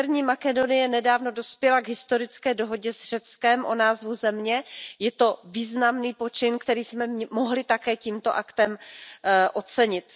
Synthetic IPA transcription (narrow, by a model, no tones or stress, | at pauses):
ɾɲiːmakɛdo̞nɪjɛnɛdaːvno̞do̞spjɛlaɡɦɪst̪o̞ɾɪt͡skɛːdo̞ɦo̞ɟɛzr̝̥ɛt͡skɛmʔo̞naːzvuzɛmɲɛjɛt̪o̞viːznamniːpo̞t͡ʃɪnkt̪ɛɾiːsmɛmmo̞ɦlɪt̪akɛːciːmt̪o̞̰ʔakt̪ɛm | ʔo̞t͡sɛɲɪt̪